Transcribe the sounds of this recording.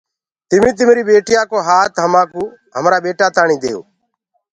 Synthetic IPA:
t̪ɪmĩːt̪̬ɪmɾiːɓeːʈɪjaːkoːɦaːt̪ɦəmãːkuː | ɦəmɾaːɓeːʈaːt̪aːɳĩːd̪eːo̰ː

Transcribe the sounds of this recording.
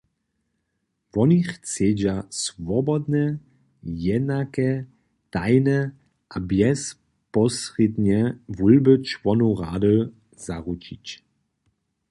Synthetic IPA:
vɔnixt͡sɛːd͡ʑasvɔbɔd̪nɛ | jɛd̪nakɛ | t̪ajnɛ | ʔabjɛs | pɔsred̪ɲɛvulbət͡ʃvɔnuɾaːdə | zaʁut͡ʃit͡ɕ

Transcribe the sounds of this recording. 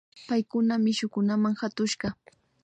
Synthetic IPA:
pajkʊnamɪʃʊkʊnamaŋhat̪ʊʃɢɑ

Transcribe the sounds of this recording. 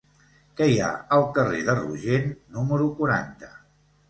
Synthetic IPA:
kəja̰əlˠkəreðərṵʒennuməɾukuɾant̪ə̥

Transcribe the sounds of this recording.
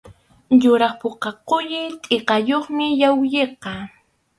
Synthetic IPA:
jʊɾɑχpoqɑqʊʎɪt̪ʼeqɑjoχmɪjawjeqɑ

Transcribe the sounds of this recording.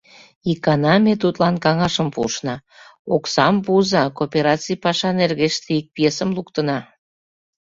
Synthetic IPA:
ikɑnɑmet̪ut̪lɑnkɑŋɑʃəmpṵʃnɑ | oksɑmpuzɑkopʲeɾɑt͡sijpɑʃɑnerɣeʃt̪eik̚pjesəmlukt̪ənɑ

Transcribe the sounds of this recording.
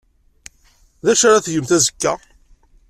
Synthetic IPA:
ðæʃaɾaθjəmθæzə̥kːæ

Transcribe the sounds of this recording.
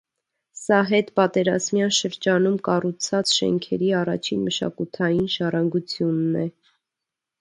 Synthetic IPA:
sɑɦɛt̪pɑt̪ɛɾɑzmjɑnʃəɾd͡ʒɑnumkɑrut͡sʰɑt͡sʃɛ̰ŋkʰɛɾiɑrɑt͡ʃʰinməʃɑ̰kut̪ʰɑjinʒɑrɑŋɡut͡sʰjunːɛ

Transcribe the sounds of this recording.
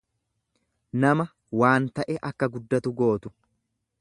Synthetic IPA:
nɐmɐ | waːnt̪ɐʔɛʔɐkːɐɡʊd̪ːɐt̪ʊɡo̞ːt̪ʊ

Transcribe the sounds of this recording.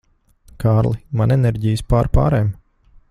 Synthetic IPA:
kʰaːɾlˠimanɛnɛɾɟijɨspaːɾpa̰ːɾɛːm

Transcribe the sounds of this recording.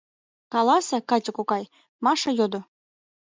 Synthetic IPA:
kɑlˠɑsɤ̆kɑt͡ɕʲə̆kukɑj | mɑʃɤ̆jod̪ŏ

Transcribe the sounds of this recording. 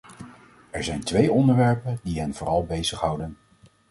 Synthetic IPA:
ɛɹzɛjntʋejʔɔndəɹʋɛɹpəndiɦənvʊːrɑlˠbejzəχɦɑwdən

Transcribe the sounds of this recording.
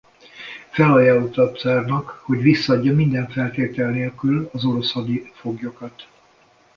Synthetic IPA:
fɛlɒjaːlot̪ɒp̪saːrnɒkho̞ɟʋisːɒːɟːɒmind̪ɛɱfɛlt̪eːt̪ɛlneːlkylɒzo̞ɾo̞shɒd̪ifo̞ɡjo̞kɒt̪

